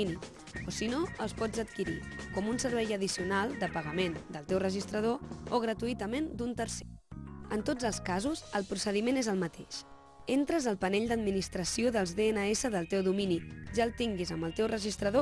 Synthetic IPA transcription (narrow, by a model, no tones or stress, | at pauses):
ni | osinoəlˠspɔd͡zət̪kiɾikɔmunsəɾβɛjəð̞isiunalˠd̪əpəɣəmend̪əlˠt̪ewrəʒist̪ɾəð̞ooɣ̞ɾət̪uit̪əmend̪unt̪əɾseənt̪od͡zəlˠskazuzəlˠpɾusəðimenezəlˠmət̪eʃ | ent̪ɾəzəlˠpənɛʎd̪əd̪minist̪ɾəsioðəlˠzðeenəesəðəlˠt̪ewðuminiʒaəlˠt̪iŋɡizəmbəlˠt̪ewrəʒist̪ɾəðo